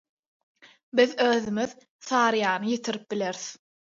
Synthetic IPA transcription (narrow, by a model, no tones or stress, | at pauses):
biðøːðymið | θɑːɾɯjɑːnɯjet̪ʰiɾip̚bileɾθ